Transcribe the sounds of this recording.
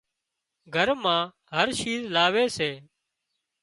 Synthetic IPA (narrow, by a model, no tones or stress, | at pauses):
ɡʱəɾmãː | ɦəɾʃiːzlaːʋeːseː